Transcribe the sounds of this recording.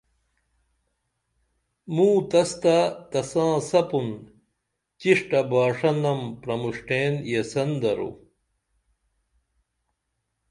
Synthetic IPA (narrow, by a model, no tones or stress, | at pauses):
mũːt̪ɐst̪at̪ɐsãːsɐpun | t͡ɕiʂʈɐbaːʂɐnɐmpɾɐmuʂʈeːnjesɐnd̪ɐɾo̰